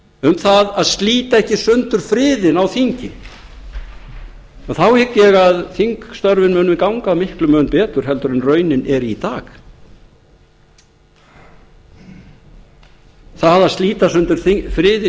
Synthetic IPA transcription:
ʏmθaðaðst̪liːt̪aɛhcɪsʏnt̪ʏɾ̥fɾɪːðɪnawθiɲcɪ | ɔθawhɪkːjɛɣaðθiŋkst̪œɾvɪnmœːnʏmɪkawŋkaːmɪhklʏmœːnpɛːt̪ʏɾ̥ɦɛlt̪ʏɾɛnrœːɥnɪnɛɾit̪aːx | θaðaðst̪liːt̪asʏnt̪ʏɾ̥θfɾɪːðɪ

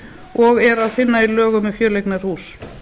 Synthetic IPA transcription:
ɔɣɛɾaðfɪnːailœːɣʏmɪfjœːɾlejknaɾ̥huːs

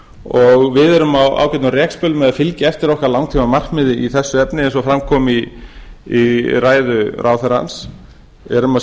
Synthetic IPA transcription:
ɔɣvɪðɛɾʏmawa̰ːwcɛt̪nʏrɛːkspœlmɛðafɪlcɪɛft̪ɪɾɔhkaɾlawŋt̪ʰimamar̥kmɪðɪiθɛsːʏɛpnɪɛnsɔfɾamkʰɔːmi | iɾaːjðʏɾʔaːwθaɾa̰ns | ɛɾʏma

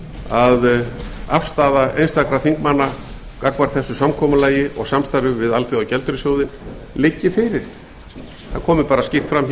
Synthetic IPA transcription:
aðafst̪aːðaʔḛjnst̪akɾaθiŋkmanːa | kakvaɾ̥θɛsːʏsamkʰɔːmʏlaːjɪʔɔɣsamst̪aɾʏvɪðalθjoawcɛlt̪ɾʏsjoːwðɪn | lɪcːɪfɪɾɪɾ̥ | θakʰɔːmɪpaːɾascɪft̪fɾamç

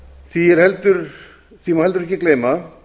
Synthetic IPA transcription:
θiɛɾ̥hɛlt̪ʏɾ | θimahɛlt̪ʏɾɛhcɪkleːjma

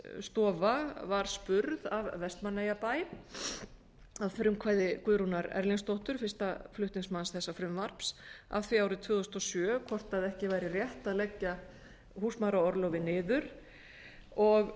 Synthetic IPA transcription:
st̪ɔːvavaɾ̥spʏɾðavvɛst̪manːajapaːj | avfɾʏmkʰvaːjðɪkʏðɾunaɾɛ̰ɾlinst̪owht̪ʏɾ̥fɪr̥st̪aflʏht̪niŋsmansθɛsːafɾʏmvaɾ̥psa̰vθviaːwɾɪt̪ʰvʏːðʏst̪ɔsjœːkʰɔr̥t̪aðɛhcɪvajɾɪrjɛht̪aðlɛcːa | huːsmaɾaɔɾlowvɪnɪːðʏɾ̥ | ɔɣ

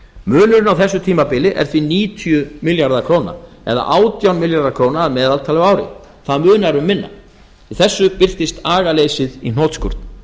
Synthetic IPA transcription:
mʏːnʏɾɪnawθɛsːʏt̪ʰiːmapɪlɪʔɛ̰ɾ̥θviniːt̪ʰjʏmɪljaɾðakʰɾoːwna̰ | ɛ̰ða̰ʔaːwt̪jawnmɪljaɾðakʰɾoːwnaːðmɛːðalt̪ʰaːlɛɣaːwɾɪ̰ | θaðmʏːnaɾʏmːɪnːa̰ | iθɛsːʏpɪr̥t̪ɪst̪aːɣaleːjsɪðin̥ɔːt̪skuɾ̥t̪n

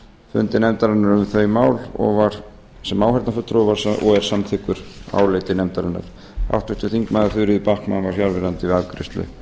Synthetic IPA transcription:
fʏ̰nt̪ɪnɛmt̪aɾanːaɾʏmθœːɥmaːwlɔ̰ɣvaɾ̥ | sɛmːaːwhɛɾt̪nafʏt̪ːɾɔvaɾ̥sɔɣɛɾ̥samθʰɪkːʏɾ̥a̰ːwleːjt̪ɪnɛmt̪aɾɛnːa̰ɾ̥ | a̰wht̪ʏst̪ːʏθiŋkmajðaɾfʏɾɪðɪpahkmanvaɾ̥hjaɾvɪɾant̪ɪvɪaðkɾɪst̪lʏ̰

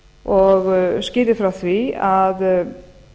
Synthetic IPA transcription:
ɔɣscɪːðɪfɾawθviað

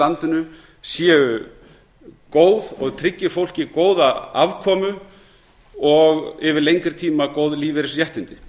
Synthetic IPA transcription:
ant̪ʏnʏ | sjɛːʏ | koːwðɔɣt̪ʰɾɪcːɪ̥fowl̥cɪkoːwðaa̰vkʰɔːmʏ | ɔɣɪvɪlejŋkɪɾ̥t̪ʰiːmakoːwðliːvɛɾɪsjɛht̪ɪnt̪ɪ

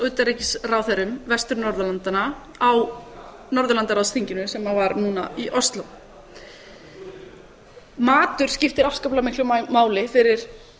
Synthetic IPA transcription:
œt̪aɾecɪ̥srawθɛɾʏmvɛst̪ʏɾnɔɾðʏlant̪ana | aw | nɔɾðʏlant̪aɾawst̪ʰiɲcɪnʏsɛmavaɾnuːnaiʔɔst̪law | maːt̪ʏɾ̥scɪft̪ɪɾafskaplamɪhklʏmaːwlɪfɪɾɪɾ̥

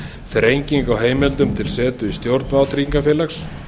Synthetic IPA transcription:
θɛɾejɲciŋkawɦeːjmɛlt̪ʏmt̪ʰɪlsɛːt̪ʏist̪jowɾt̪nvaːwt̪ʰɾiiŋkafjɛːlaxs

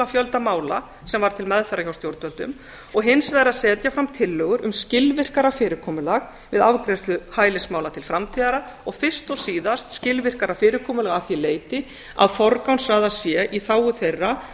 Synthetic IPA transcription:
afjœlt̪amaːwla | sɛmvaɾ̥t̪ʰɪlmɛðfɛɾːaçawst̪jowɾt̪œlt̪ʏ̰m | ɔɣɦɪnsvajɾaðsɛːt̪jafɾamt̪ʰɪlːœːɣʏɾʏmscɪlvɪr̥kaɾafɪːɾɪkʰɔːmʏlaɣ | vɪðavkɾɛst̪lʏhaːjlɪsmaːwlat̪ʰɪlfɾamt̪ʰiðaɾa | ɔɣfɪr̥st̪ɔsiːðast̪scɪlvɪr̥kaɾafɪːɾɪɾkʰɔːmʏlɛɣaθileːjt̪ɪ | a̰ðfɔɾkawnsraːðasjɛʔiθaːwʏθejrːa

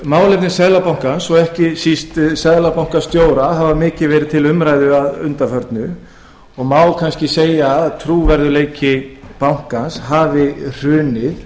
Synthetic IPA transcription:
maːwlep̪nɪsɛðlapawŋ̥kansɔɣɛhcɪsist̪sɛðlapawŋ̥kḁst̪joːwɾaɦavamɪːcɪvɛːɾɪðt̪ʰɪlʏmɾaːjðʏaðʏnt̪afœɾt̪nʏ | ɔɣmaːwkʰanscɪseːjaːðt̪ʰɾuːvɛɾðʏleːjcɪpawŋ̥kanshaːvɪr̥ʏːnɪð

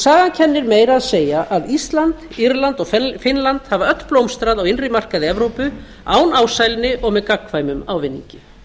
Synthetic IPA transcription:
saːɣancʰɛnːɪɾmeːjɾaðseːjaʔaðist̪lant̪ | iɾlant̪ɔɣfɪnlant̪havaœt̪lplowmst̪ɾaðawɪnrɪmar̥kaðɪɛvɾowpʏ | aːwnaːwsajlnɪʔɔɣmɛðkakːvaːjmʏmawvɪnːḭɲcɪ

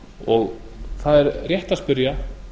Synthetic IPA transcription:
ɔɣ | θaðɛɾrjɛht̪aspʏɾja

